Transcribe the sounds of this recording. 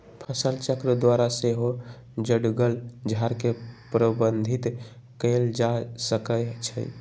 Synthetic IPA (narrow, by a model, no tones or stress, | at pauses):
pʰəsəlt͡ʃəkɾəd̪waɾaseɦo | d͡ʒəɽɡəld͡ʒʱaɾkepɾəbənd̪ʱit̪ | kəld͡ʒasəkət͡ʃʰə̰